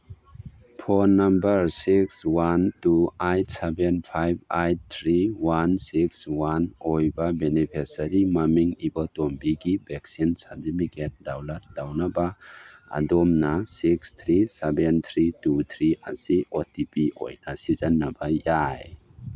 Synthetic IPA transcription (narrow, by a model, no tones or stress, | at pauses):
pʰɔnːɐmbɐɾsikswantuajt̚sebenpʰajb̚ajt̚t̪ʰɾiwansikswanojbabenipʰesaɾimamiŋibɔtombiɡibek̚sinsadimiket̚dawlat̚d̥awnabaa̰dɔmnasikst̪ʰɾisebent̪ʰɾitut̪ʰɾia̰siʔotipiʔo̰jnasizanːabajaj